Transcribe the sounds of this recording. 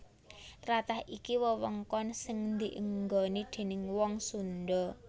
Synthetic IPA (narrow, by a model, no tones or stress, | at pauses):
t̪ɾat̪ahikiwəwəŋkɔnsɪŋnd̪iʔəŋɡɔnid̪̥e̤nɪŋwɔŋsund̪ɔ